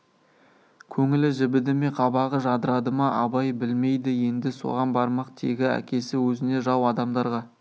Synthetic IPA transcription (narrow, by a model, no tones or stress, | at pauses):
kʲʰɵŋɪlɪʒɪbɪd̪ɪme̞qʰɑbɑʁəʒɑd̪əɾɑd̪əmɑʔɑbɑjbɪlme̞jd̪ɪje̞nd̪ɪso̞̰ʁɑnbɑɾmɑqt̪ʰe̞̰ɡʲɪæ̰kʲe̞sɪwɵzɪne̞ʒɑwɑd̪ɑmd̪ɑɾʁɑ